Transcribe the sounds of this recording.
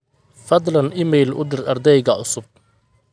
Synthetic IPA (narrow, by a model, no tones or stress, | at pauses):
fɐd̪lɐnʔɪmɛjlʔʊ̰d̪ɪrɐrd̪ɛjɣɐʕʊsʊb̚